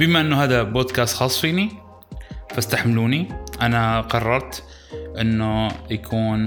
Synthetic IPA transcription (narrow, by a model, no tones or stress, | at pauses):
bɪmaʔɪnːuhaːðaboːd̪kaːst̪xɑːsˤfiːni | fast̪aħmluːniʔanaqɑrˤːɑɾˤt̪ | ʔɪnːujakʰuːn